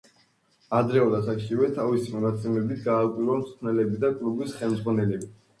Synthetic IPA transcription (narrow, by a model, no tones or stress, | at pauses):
ad̪ɾɛɔd̪asakʃivɛt̪ʰavisimɔnat̪sʼɛmɛbit̪ʰɡaːvkʼwiɾamt̪st̪ʰnɛlɛbid̪akʼlubisχɛlˠmd̪zʁwanɛlɛbi